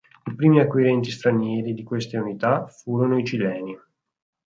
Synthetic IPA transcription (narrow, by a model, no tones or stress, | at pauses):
ipɾiːmiakːwiɾɛnt̪ist̪ɾanjɛːɾid̪ikwest̪eunit̪afuːɾonoit͡ʃilɛːni